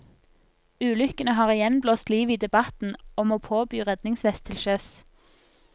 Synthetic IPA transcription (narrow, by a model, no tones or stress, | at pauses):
ʉːlʏkənəhɑːʁɪjɛnbloːst̪liːʋiːd̪ɛbɑt̪n̩ɔmoːpʰoːbyːʁɛd̪nɪŋsʋɛst̪ʰɪlʃœs